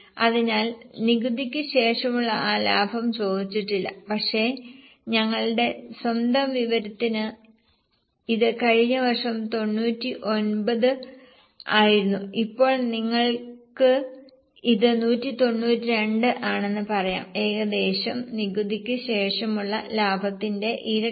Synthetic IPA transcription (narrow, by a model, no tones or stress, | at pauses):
ɐðinaːlniɡud̪ikʲːɨɕe̞ːʂɐmuɭːɐʔaːla̰ːbʱɐmt͡ɕo̞ːd̪it͡ɕːiʈːilːɐ̰pɐkʂe̞ | ɲɐŋːɐɭɨɽe̞swɐnd̪ɐmʋiʋɐɾɐt̪ːinɨ | iðɨkɐɻiɲːɐʋɐrʂɐmt̪o̞nːuːtːiʔo̞nbɐðɨ | aːjiɾunːuipːo̞ːɭniŋːɐɭkɨ | iðɨnuːtːit̪o̞nːuːtːiɾe̞ɳɖɨʔaːɳe̞nːɨpɐrɐja̰ːme̞ːɣɐd̪e̞ːɕɐmniɡud̪ikʲːɨɕe̞ːʂɐmuɭːɐlaːbʱɐt̪ːinde̞ʔiɾɐ